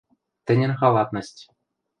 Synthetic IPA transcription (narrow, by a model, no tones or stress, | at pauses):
t̪ʲɘ̆nʲɘ̆nʲχɑlˠɑt̪nɤ̆sʲtʲ